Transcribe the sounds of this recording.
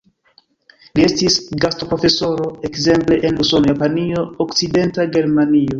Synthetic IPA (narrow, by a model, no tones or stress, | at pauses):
lie̞stisɡasto̞pɾo̞fe̞so̞ɾo̞ekze̞mple̞ʔenluso̞nojapanio̞okt͡side̞ntaɡe̞ɾmanio̞